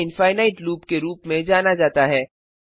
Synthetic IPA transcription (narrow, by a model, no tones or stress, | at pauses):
ɪnfaːɪnaːɪʈluːpkeɾuːpmẽd͡ʒaːnad͡ʒaːt̪aɦɛː